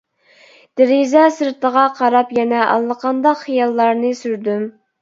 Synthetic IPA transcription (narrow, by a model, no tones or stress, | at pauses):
d̪̥ɪɾizɛsɨɾt̪ʰəʁɑqʰɑɾɑpjɛnɛʔɑ̰lˠːəqʰɑnd̪ɑqχijɑlˠːɑɾnɨsyɾd̪ym